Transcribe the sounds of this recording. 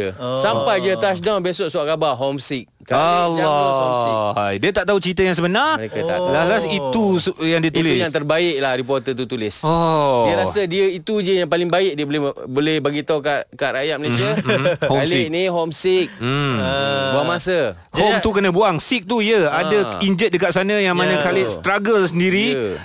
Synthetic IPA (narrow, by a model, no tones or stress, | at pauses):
əsampajd͡ʒət̪as̬dãbesɔʔsuaʔkabaɦɔmsɪk̚kaalɔɔsiajdiət̪aʔt̪aɦut͡ʃɾit̪əjaŋsəbənarekaa̰lalasit̪usjaŋdiət̪ulɪusjaŋt̪ərbaɪʔ̚lahɾip̬ɔrt̪ət̪ut̪ulɪsɔiəɾasadiəit̪ud͡ʒəjaŋpalɪŋbaɪk̚diəbolɛbolɛhbaɡit̪aukaʔkaʔɾajat̪̚məlesiahoalniɦɔmsɪk̩̚ | buamasə | homt̪ukənə̃buaŋsɪk̚t̪uiəadəiɲd͡ʒət̪̚dəkat̪̚sanə̃jaŋmanə̃kalɪʔst̪ɾaɡəlsəndiɾi